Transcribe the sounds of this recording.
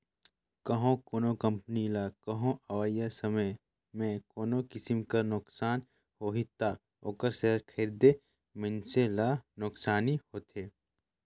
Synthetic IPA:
kɐɦõkoːnokɐ̃mpənilaːkɐɦõʔɐʋajasɐməj | mẽkoːnõkɪsɪmkɐnʊksaːn | hoːɦit̪a | oːkəɾseɦɾkʰeːɾd̪e | mɪnselaːnʊksaːnihoːt̪ʰeː

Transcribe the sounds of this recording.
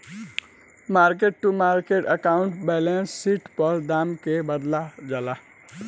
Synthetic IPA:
maːɾkeʈːumaːɾkeʈəkaʊɳʈbɛlensːiʈpəɾd̪aːmkebəd̪lad͡ʒala

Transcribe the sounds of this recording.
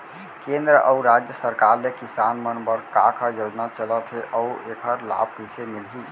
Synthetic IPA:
kẽnd̪ɾəʔəuɾad͡ʒjəsəɾkaɾlekisanmənbəɾkakʰəjod͡ʒnat͡ʃələt̪ʰɦeʔəuekʰəɾla̰b̚pisemilɦi

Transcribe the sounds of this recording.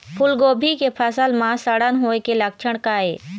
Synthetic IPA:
pʰʊlɡoːbʱikepʰəsəlmãsəɽənɦoːekelək̚t͡ʃʰəɽ̃kaːeː

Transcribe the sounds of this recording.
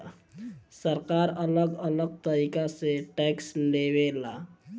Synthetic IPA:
səɾkaɾələɡələɡ̚t̪əɾikaseʈɛkslebela

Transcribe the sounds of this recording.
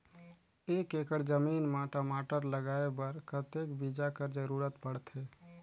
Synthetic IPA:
ekekəɽd͡ʒəmiːnmaːʈamaːʈəɾləɡaːebəɾkət̪ekbid͡ʒakəɾd͡ʒəɾuɾət̪bəɽt̪ɦe

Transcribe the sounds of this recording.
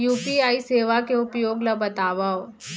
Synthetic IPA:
juːpiaːiseːʋakeʊpjoːɡlɐbɐt̪aːʋao

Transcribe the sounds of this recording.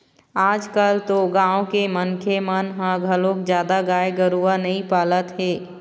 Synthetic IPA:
aːd͡ʒkəlt̪oɡãːõkemənkʰemənɦãɡʱəlõːkd͡ʒjaːd̪aɡaːeɡəɾuːanɐĩpaːlət̪ɦɛː

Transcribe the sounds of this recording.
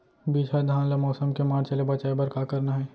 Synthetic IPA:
biːd͡ʒʰad̪ʱaːnlamɔːsəmkemaːɾt͡ʃɐlebɐt͡ʃaebɐɾkakɐɾnaɦɛː

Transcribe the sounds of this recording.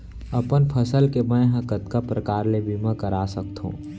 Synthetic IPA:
ɐpənpʰəsəlkemə̃ɦə̃kət̪kapɾəkaːɾlebimə̃kəɾaːsək̚t̪ɦṵ̃ː

